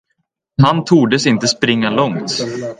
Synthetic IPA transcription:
hant̪ʰuːɖəsɪnt̪əspɾɪŋːalɔŋt̪

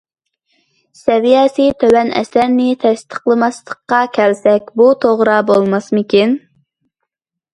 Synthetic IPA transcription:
sɛvijɑːsijt̪ʰøwɛnɛ̰sæɾnɪt̪ʰɛst̪ʰə̥qlˠɨmɑslˠəqːɑkʲʰɛlsɛkʲbut̪ʰoʁɾɑbolˠmɑsmɨkʲin

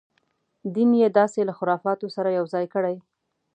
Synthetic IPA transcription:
d̪imjed̪ɑselaxʊɾɑfɑt̪osaɾajawzɑjkəɽaj

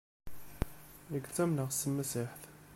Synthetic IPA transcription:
nəɡt͡sːæmnəʁsəmːæsiħθ

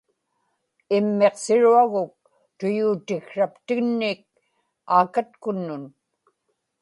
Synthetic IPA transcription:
ɪmːeqsɪɻuaɣʊk̚ | t̪ʊjuːt̪ɪxʂapt̪ɪɣnːɪk̚ | aːkat̪̚kʊnːʊn

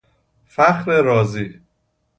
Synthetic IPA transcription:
fæxɾeɾɒːziː

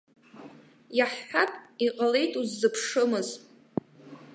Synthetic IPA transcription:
jaħːapʼiqʼale̞jtʼuzːɨpʰʂɨmɨz

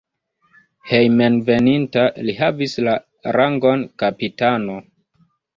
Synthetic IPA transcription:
he̞jmenve̞nintalihavisla | ɾaŋɡo̞nkapitano̞

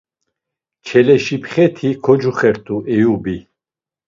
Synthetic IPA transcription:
t͡ʃʰɛlɛʃipʰχɛt̪ʰikʰɔd͡ʒuχɛɾt̪ʰuʔɛjubi

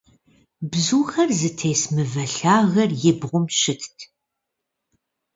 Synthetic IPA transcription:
bzuːxɐrzɨtʰeːsmɨvɐɬaːɣɐrjɪbʁʷʊmʃɪtʰtʰ

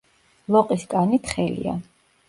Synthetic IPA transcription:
lˠɔqʼiskʼanit̪ʰχɛlḭa̰

